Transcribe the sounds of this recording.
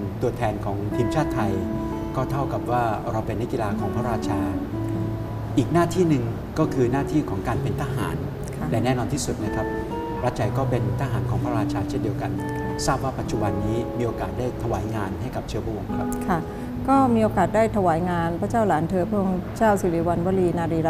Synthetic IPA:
t̪u˧ɐt̪ʰɛː˧nkʰɔː˩˦ŋt̪ʰiː˧mt͡ɕʰaː˥˩t̪ʰːa˧j | kɔː˥˩t̪ʰa˥˩wka˨˩p̚waː˥˩ɾa˧wpe˧nː˦˥k̚ki˧laː˧kʰɔː˩˦ŋpʰɾa˦˥ɾaː˥˩t̪̚t͡ɕʰaː˧ | ʔiː˨˩k̚naː˥˩t̪ʰiː˥˩nɯ˨˩ŋ | kɔː˥˩kʰɯː˧naː˥˩t̪ʰiː˥˩kʰɔː˩˦ŋkaː˧npe˧nt̪ʰaː˧ɦa̰ː˩˦nʰ˩ | lɛː˦˧˩nɛː˥˩nɔː˧nt̪ʰiː˥˩su˨˩t̪̚na˦˥kʰɾa˦˥p̚ | pʰɾa˦˥t̚t͡ɕʰa˧jkɔː˥˩pe˧nt̪ʰaː˧˩ɦaː˩˦nkɔː˩˦ŋpʰɾa˦˥ɾaː˧t͡ɕʰaː˧t͡ɕʰe˥˩ndi˧əwka˧n | saː˥˩p̚waː˥˩pa˨t̪̚t͡ɕu˨˩ba˧nːiː˦˥miː˧ʔoː˧kaː˨˩t̪̚daː˥˩jt̪ʰa˧waː˩˦jŋaː˧nɦa˥˩jka˨˩p̚t͡ɕʰɯ˥˩pʰɾa˥˩ʔo˧ŋkʰɾa˦˥p̚kʰa˥˩ | kɔː˥˩miː˧ʔoː˧kaː˨˩t̪̚daː˥˩jt̪ʰa˧waː˩˦jŋaː˧npʰɾa˥t͡ɕaː˥˩wlaː˩˦nt̪ʰɤː˧pʰɯ˥ə˧ŋt͡ɕaː˥˩wsiː˨˦liː˨˦wa˧nwa˦˥liː˧naː˧ɾiː˧ɾ

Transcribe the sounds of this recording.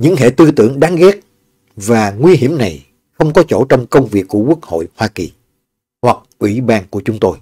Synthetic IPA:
ɲɨ̰˧˥ŋɦḛ˧˨t̪ɨ˧t̪ɨ̰˧˩əŋɗaː˨˦ŋɣɛ˦˥t̚ | vaː˨˩ŋwi˧hi˧˩əmna˨˩j | xə˧wŋ͡mkɔ˨˦t͡ɕo̰˧˩t͡ɕɔ˧wŋ͡mkə˧wŋ͡mvi˨˩ək̚ːu˧˩əkwu˦˥ək̚ho̰˧˨jhwaː˧ki˨˩ | hwa˨˩k̚ʔwḭ˧˩˥ɓaː˧nku˧˩ət͡ɕʊ˨˦ŋ͡mt̪o˧j

